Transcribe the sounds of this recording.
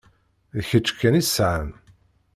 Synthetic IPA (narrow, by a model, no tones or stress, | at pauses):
ðçət͡ʃːkːænisʕən